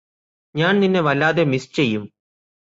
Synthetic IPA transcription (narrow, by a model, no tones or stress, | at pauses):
ɲaːɳninːe̞ʋɐlːaːðemist͡ɕejːum